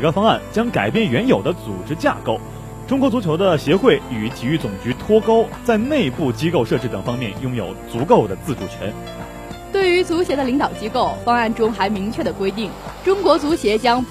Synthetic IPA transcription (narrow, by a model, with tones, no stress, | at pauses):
kɑ˥fɑ˥ŋa˥˩nt͡ɕjɑ˥ŋka˨˩ɪpjɛ˥˩nɥɛ˧˥njo˨˩ʊd̪ə˦t͡su˨˩ʈ͡ʂɻ̩˥t͡ɕja̰˥˧ko˥˩ʊ | ʈ͡ʂʊ˥ŋkwɔ˧˥t͡su˧˥t͡ɕʰjo˧˥ʊd̪ə˧ɕjɛ˧˥xwe˥˩ɪy˨˩t͡ɕ̪ʰi˨˩y˥˩t͡sʊ˨˩ŋt͡ɕy˧˥t̪ʰwɔ˥ko˥ʊt͡sa˥˧ɪne˥˧ɪ˧pu˥˩t͡ɕi˥ko˥˧ʊʂɤ˥˧ʈ͡ʂɻ̩˥˩t̪ɤ˨˩ŋfɑ˥ŋmjɛ˥˩njʊ˥ŋjo˨˩ʊt͡su˧˥ko˥˩ʊd̪ə˩t͡sɹ̩˥˧ʈ͡ʂu˨˩ʈ͡ʂʰə˧˥n | t̪we˥˩ɪy˧˥t͡su˧˥ɕjɛ˧˥d̪ə˧li˧˥ŋt̪ɑ˨˩ʊt͡ɕi˥ko˥˩ʊfɑ˥ŋa˥˩nʈ͡ʂʊ˥ŋxa˧˥ɪmi˧˥ŋt͡ɕʰɥɛ˥˩d̪ə˩kwe˥ɪt̪i˥˩ŋ | ʈ͡ʂʊ˥ŋkwɔ˧˥t͡su˧˥ɕjɛ˧˥t͡ɕjɑ˥ŋ